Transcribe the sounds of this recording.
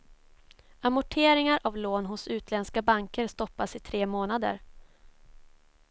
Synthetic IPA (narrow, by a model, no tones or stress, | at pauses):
amʊʈʰeːɾɪŋaɾʔavloːnɦʊsʉ̟ːt̪ʰlɛnskabaŋkəɾst̪ɔpːasɪt̪ʰɾeːmoːnad̪ə̰ɾ